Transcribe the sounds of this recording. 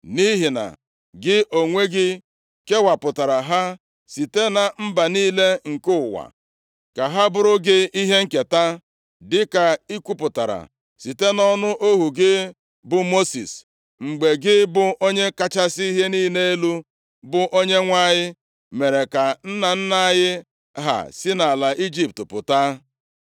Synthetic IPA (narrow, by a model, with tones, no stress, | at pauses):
ni˦ɦi˨na̰˨ | ɡɪ˦ʔo˨ŋʷe˦ɡɪ˦ | ke˦wa˨pʊ˨ta˨ɾa˨ɦa˦ | si˨te˦na˨m̩˦ba˨niː˦le˦ŋ̩˨kʊ˦ʊ˨wa̰˨ | ka˨ɦa˦bʊ˦ɾʊ˦ɡɪ˦i˦ɦe˦ŋ̩˦ke˨ta˦ | dɪ˦ka˨i˦kʷu˦pʊ˨ta̰˨ɾa̰˨ | si˨te˦nɔ˦nʊ˦ʔo˦ɦu˨ɡɪ˦ | bʊ˨mo˦sḭ˨s | ŋ͡m̩˨ɡ͡be˨ɡɪ˦bʊ˨ʔo˦ɲe˦ka˦t͡ʃa˦si˦i˦ɦe˦niː˦ne˦e˦lu˦ | bʊ˨ʔo˦ɲe˦ŋʷa˦˨ɲɪ˦ | me˨ɾe˨ka˨n̩˦na˨n̩˦na˦jɪ˦ | ɦa̰˨sɪ˦na˨la˨ʔi˦d͡ʒi˦˨p̚tpʊ̰˨ta˦